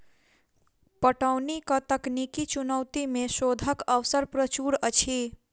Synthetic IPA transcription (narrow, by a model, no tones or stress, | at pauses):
pəʈəwnikət̪əknikit͡ʃunəwt̪imesod̪ʱəkəwsəɾpɾət͡ʃuɾət͡ʃʰi